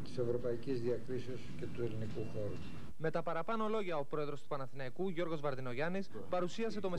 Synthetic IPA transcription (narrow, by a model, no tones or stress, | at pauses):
t̪i̥se̞vɾo̞pɐicizðiɐkɾisiosce̞t̪uelinikuxo̞ɾu | me̞t̪ɐpɐɾɐpɐnolo̞ʝɐo̞pɾo̞e̞ðɾo̞st̪upɐnɐθinɐikuʝo̞ɾɣo̞zvɐɾðino̞ʝɐnis | pɐɾusiɐse̞t̪o̞me